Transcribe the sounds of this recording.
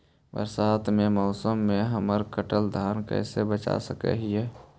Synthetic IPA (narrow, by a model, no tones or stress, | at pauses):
bə̰ɾsaːt̪ʰmemɔʊsəmːeɦəməɾkəʈəld̪ʱaːnkə̰ɪsebət͡ʃa̰səkɛ̰ɦiɦɛ